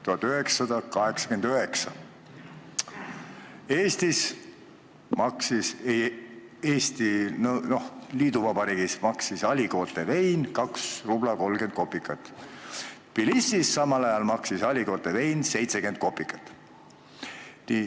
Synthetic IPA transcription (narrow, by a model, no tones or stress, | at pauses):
t̪uɦɑt̪ːˑøɦeksːɑd̪ɑkɑɦe̞ksɑ̥kend̪øɦe̞ksɑ | e̞ːst̪is | mɑksise | eːst̪inɤno̞hliːd̪uvɑb̥ɑɾiːɡ̥ismɑksisɑlʲiko̞ːt̪e̞ve̞jnkɑksrub̥lɑko̞lɡ̥e̞nd̪̚ko̞pːˑikːˑɑt̪ːˑ | pilisːisːɑmɑlɑjɑlmɑksisɑlʲiko̞ːlt̪ːe̞ve̞jnse̞jt̪se̞ke̞nd̪̚ko̞pːˑikːˑɑ̥t̪ːˑ | ni